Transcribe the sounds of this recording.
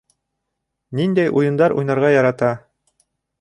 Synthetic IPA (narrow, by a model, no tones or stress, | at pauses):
nind̪æjʔujɤ̆nd̪ɑɾʔṵjnɑɾʁɑjɑɾɑt̪ɑ